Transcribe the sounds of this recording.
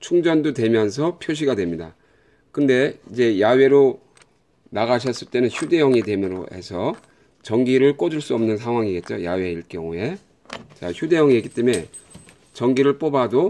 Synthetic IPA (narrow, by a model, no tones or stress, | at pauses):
t͡ɕʰuŋd͡ʑʌndotwe̞mjʌnsʰʌpʰjoɕ̬ʰiɡadwe̞mɲida | kɯnde̞id͡ʑe̞jawe̞ɾo | naɣaɕ̬ʰʌs͈ɯɭt͈e̞nɯnçʰude̞jʌŋidemjʌɾo̰e̞̰sʰʌ | t͡ɕʌŋɡiɾɯɭk͈od͡ʑuɭs͈uʌmnɯns̬ʰaŋɦwaŋiɡe̞t̚t͡ɕ͈o̰jawe̞iɭk͈jʌ̰ŋue̞ | t͡ɕa̰çʰjude̞jʌŋieɡit͈eme̞ | t͡ɕʌŋɡiɾɯɭp͈obado